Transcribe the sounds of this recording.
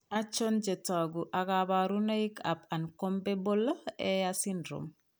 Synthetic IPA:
at͡ʃond͡ʒetaɡuʔakabaɾunaikapankombebolaɛjasindɾo̰m

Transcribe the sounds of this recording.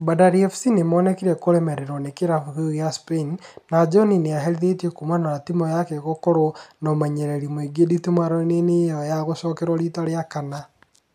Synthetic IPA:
badaɾiɛfsinemɔːnɛkiɾɛkoɾɛmɛɾeɾɔnekeɾafuɣujaspenːad͡ʒɔnineaɦɛɾiðetekumanaɾatimɔjakeɣokoɾonɔmaɲɛɾɛɾimoiɡeditumaɾonenejɔjaɣoʃɔːkeɾwɔɾitaɾjakana

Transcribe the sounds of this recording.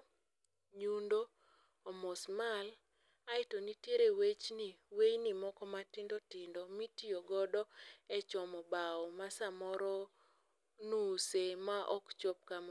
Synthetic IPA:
ɲundo | ɔmɔsmal | aɪtonitjeɾewet͡ʃniwejnimɔkɔmatɪndɔtɪndɔmitioɡɔdɔɛt͡ʃɔmɔbaɔmasamɔɾɔ | nusemaʔɔ̰kt͡ʃɔp̚kam

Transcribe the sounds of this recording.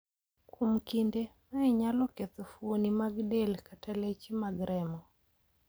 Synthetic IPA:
komkindemaɛɲalɔket̪ɔfuonimaɡdelkatalet͡ʃimaɡɾʔɛmɔ

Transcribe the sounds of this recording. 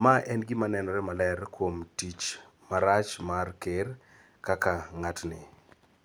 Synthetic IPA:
maʔɛnɡɪmanɛnɔɾɛmalɛrkwomtit͡ʃ | maɾat͡ʃmarker | kakaŋatnɪ

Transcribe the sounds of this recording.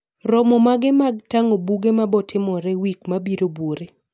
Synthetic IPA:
ɾɔmɔmaɡɪmaɡ̚taŋobuɡemabɔtʰɪmɔɾɛwikmabiɾoboɾe

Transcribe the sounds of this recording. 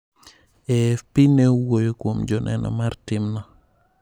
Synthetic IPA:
ɛpinewojkomd͡ʒɔnʔɛ̰nɔ̰maɾtimnɔ

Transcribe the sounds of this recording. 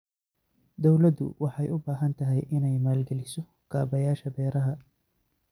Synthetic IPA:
d̪ɔwlɐd̪ʊ̰wɑħɑjʊbaːɦɐnt̪ʰɐɦɛjʔɪnɛjmaːlɡɛlɪsɔ | ɡ̥aːbɐjaːʃɐbɛːɾɐɦɐ

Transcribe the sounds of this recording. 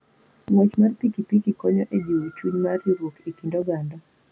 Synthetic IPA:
ŋwɔt͡ʃmarpikipikikɔɲɔʔed͡ʒuwt͡ʃuɲmariɾwokikindɔɡandɔ

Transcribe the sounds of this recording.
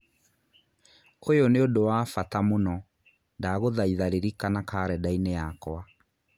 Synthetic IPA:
kʰojoneodowafatamonɔ | ndaːɣoðaiðaɾeɾikanakaːɾɛdaineakɔa

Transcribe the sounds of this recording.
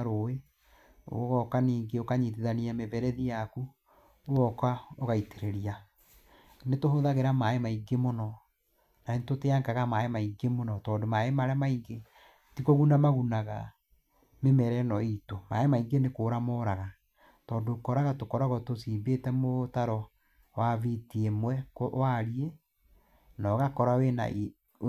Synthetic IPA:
ɾoe | o̰ɣɔkaniːŋɡeokaɲitiðaniamevɛɾɛðijaku | oɣɔkwaoɣaiteɾeɾia | netohoðaɣeɾamaemaiɡemonɔ | naentoteaŋɡaɣamaemaiŋɡemonɔtɔːndomaemaɾɛmaiŋɡe | tikoɣunamaɣunaɣa̰ | memɛɾɛnɔitoma̰emaiŋɡenekoːɾamɔɾaɣa | tɔːndokɔɾaɣatokɔɾaɣɔtosiːmbetɛmotaɾɔ | wavitiemwɛkwaɾie | nɔːɣakɔɾawena̰

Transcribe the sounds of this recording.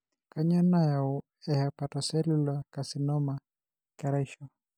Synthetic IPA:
kaɲɔnajau | ɛhapatɔsɛlulakasinɔma | kaɾaʃɔ

